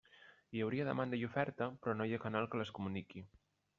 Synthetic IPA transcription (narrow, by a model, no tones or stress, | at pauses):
iəwɾiəðə̰mand̪əjufɛɾt̪əpɾɔnojakanalˠkələskumuniki